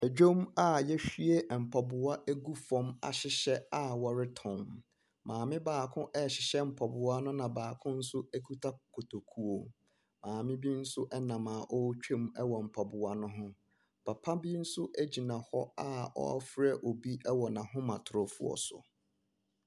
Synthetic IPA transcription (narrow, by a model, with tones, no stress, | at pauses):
ɛ˨d͡ʑᶣo˦ma˦jɛ˦ɕᶣi˦e˦m̩˨pʰa˨bʊ˨a˦ʔæ˦ɡu˦fɔ̃˦ma̰˨ɕɪ˨ɕɛ˦a˨wɔ˨ɾɪ˦tʰɔ̃˨m | mãː˨mɪ̃˦baː˨kʰʊ̃˦ʔɛ˦˨ɕɪ˨ɕɛ˦m̩˨pʰɔ˨bʊ˨a˦nʊ̃˦nã˨baː˨kʰʊ̃˦n̩˦sʊ˦æ˦kʰu˦tʰa˦kʰo˨tʰo˨kʰu˦o˨ | mãː˨mɪ̃˦bi˦n̩˦sʊ˦ʔɛ˦nã˨mã˨ʔɔ˦t͡ɕᶣʰẽ˦mɛ˦wɔ˨m̩˨pʰa˨bʊ˨a˦nʊ̃˦ɦʊ̃˦ | pʰa˨pʰa˦bi˦n̩˦sʊ˦ʔæ˦d͡ʑi˨nã˨hɔ˦a˦ɔ̰˦a̰˦fɾɛ˦ʔo˨bi˦ʔɛ˦wɔ˨nã˨ɦʊ̃˦mã˨tʰʊ˨ɾʊ˨fʊ̰˦ɔ̰˨sʊ̰˨